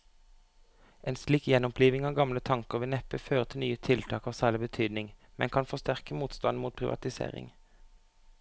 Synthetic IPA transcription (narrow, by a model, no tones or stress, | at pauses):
ʔeːnsliːkjɛnɔmpʰliːʋɪŋɑːɡɑmlət̪ʰɑŋkəʁʋɪːnɛpəføːʁət̪ʰɪlnyːət̪ʰɪlt̪ʰɑːkɑːʁsæːʁlɪbət̪ʰyːd̪nɪŋmɛ̰nkʰɑnfɔst̪æʁkəmuːt̪st̪ɑnmuːt̪̚pʰʁɪʋʔɑ̰t̪ɪsḛːʁɪ̰ŋ